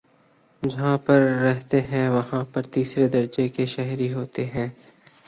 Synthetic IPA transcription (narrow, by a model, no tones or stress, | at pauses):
d͡ʒɐɦãpɐɾːɛɦt̪eɦɛ̃ʋɐɦãpɐɾt̪iːsɾed̪ɐɾd͡ʒekeʃɛɦɾiɦoːt̪eɦɛ̃ː